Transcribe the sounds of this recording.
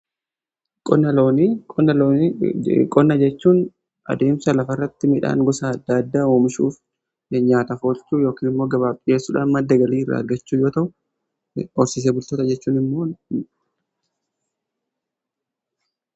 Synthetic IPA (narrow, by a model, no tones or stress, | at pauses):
kʼɔnːɐloːnːɐlː | kʼɔnːɐd͡ʒɛt͡ʃːuːn | ʔɐ̰d̪e̞ːmsɐlɐfɐrːɐt̪ːɪmɪᶑa̰ːŋɡɔsaːɐd̪aːd̪ːaːoːmɪʃṵːf | ɲaːt̪ɐfo̞ːlt͡ʃuːjo̞ːkiːnɪmːo̞ːɡɐβaːpʼɪe̞ːsːuːᶑa̰ːnmɐd̪ːɐɡɐliːɪrːa̰ːɐɾɡɐt͡ʃːuːjoːt̪ɐʔʊ | ɔɾsɪs̬eːbʊlt̪oːt̪ɐd͡ʒɛt͡ʃːuːnɪmːoː